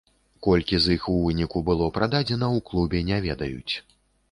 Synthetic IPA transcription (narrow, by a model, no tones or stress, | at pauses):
kɔlʲkʲizixuvɨnʲikubɨlˠɔpɾad̪ad͡zʲɛnɐwklˠubʲɛnʲɛvʲɛd̪ɐjṵt͡sʲ